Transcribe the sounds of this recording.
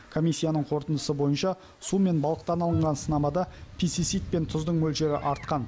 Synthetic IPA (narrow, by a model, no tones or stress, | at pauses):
kʰo̞mʲijsʲːijanəɴqʰo̞ɾt̪ənd̪əsəbo̞jənʃɑ | sume̞nbɑlˠəq̚t̪ɑnɑlˠəɴʁɑnsənɑmɑd̪ɑpʰist̪it̪sijt̪̚pe̞nt̪ʰʊzd̪əɴmɵlʃe̞ɾɪʔɑɾt̪̚qɑn